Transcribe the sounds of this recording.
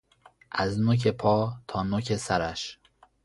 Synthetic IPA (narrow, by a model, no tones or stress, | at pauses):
ʔæznoc̬ʰepʰɒːt̪ʰɒːnocʰe̞sæɾæʃ